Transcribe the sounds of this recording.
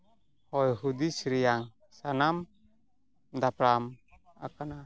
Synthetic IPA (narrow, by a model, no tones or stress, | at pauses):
hɔjɦud̪isɾijaŋ | sanam | d̪apɾam | a̰kana